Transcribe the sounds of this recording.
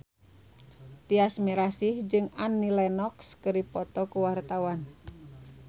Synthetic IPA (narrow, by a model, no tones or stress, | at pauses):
t̪iasmiɾasihd͡ʒɨŋanːilɛnɔkskɨɾipɔt̪ɔkuwart̪awan